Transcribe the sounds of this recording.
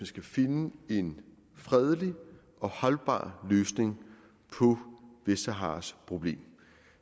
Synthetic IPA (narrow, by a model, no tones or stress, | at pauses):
ənsɡ̥æfe̝nəe̝n | fʁɛð̞ˠəli | ʔɒ̽hɒ̽lb̥ɑ̰̈ːløːsne̝ŋ | pʰɒ̽ʋesæɦɑ̰̈spʰʁo̝b̥le̝̰ːm